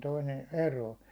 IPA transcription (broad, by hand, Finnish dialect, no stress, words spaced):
toinen̞ eroː